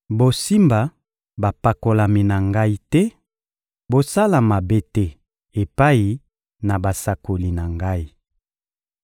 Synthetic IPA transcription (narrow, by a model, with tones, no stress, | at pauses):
bo˨si˦mba˨ | ba˨pa˨ko˨la˨mi˨na˨ŋɡa˦i˦tɛ˦ | bo˨sa˦la˨ma˨be˦tɛ˦ | e˨pa˦i˨ | na˨ba˨sa˨ko˨li˨na˨ŋɡa˦i˨